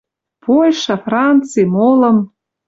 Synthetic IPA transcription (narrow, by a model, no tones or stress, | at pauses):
pojʃɑfrɑnt͡sɨjmolə̆m